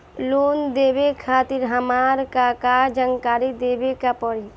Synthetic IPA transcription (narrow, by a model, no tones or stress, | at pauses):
loːnd̪eːʋekʰaːt̪ɪɾɦɐmaːɾkakad͡ʒəŋkaːɾid̪eːʋekapɔɾi